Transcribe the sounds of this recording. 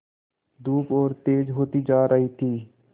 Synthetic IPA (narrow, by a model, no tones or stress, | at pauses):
d̪uːpɔːɾt̪eːd͡ʒɦoːt̪id͡ʒaːɾəɦit̪ʰiː